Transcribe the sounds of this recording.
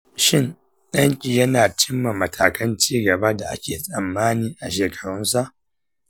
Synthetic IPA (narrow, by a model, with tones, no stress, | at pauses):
ʃɪ˦n | ɗɐ˦ŋkʲʼiː˨jɐ˦naː˨t͡ʃɪ˦mːa˨mɐ˨tʰaː˨kɐ˦nt͡ʃiː˦ɡɐ˨ba˦da˨ʔa̰˦kʲeː˨sʼɐ˨mːaː˦niː˨ʔa˨ʃeː˨kʰɐ̥˨ɽʊ˦nsa˦˨ʔ